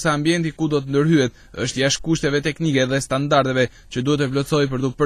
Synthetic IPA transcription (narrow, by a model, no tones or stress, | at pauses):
saːmbiɛnt̪ikud̪ɔt̪ənd̪əɾhyɛt̪ | əʃt̪jaʃkuʃt̪ɛvɛt̪ɛknikɛðɛst̪and̪aɾt̪ɛvɛ | t͡ɕəd̪uhɛt̪əplɔt͡sɔjp̬əɾt̪upə